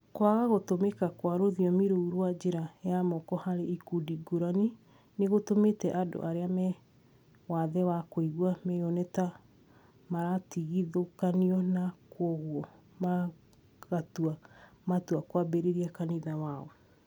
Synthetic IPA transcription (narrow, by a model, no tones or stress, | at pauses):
kwaɣaɣotomekakwaɾoðiɔmiɾouɾwad͡ʒeɾajamɔkɔhaɾeikudiɡoɾani | neɣotometɛʔado̰ʔaɾeamɛ | waðɛwakoiɣwamɛjɔnɛta | maɾatiɣiðokaniɔnakwɔɣwɔ | ma | ɣatuamatuakwabɛɾeɾiakaniðawaɔ